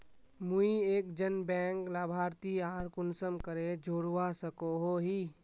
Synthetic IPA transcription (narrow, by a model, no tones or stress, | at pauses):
mʊieːk̚d͡ʒənbɛ̃ːŋklaːbʱaːɾt̪iaːɾkʊnsəmkəɾed͡ʒʱoːɽwasəkoɦoɦiː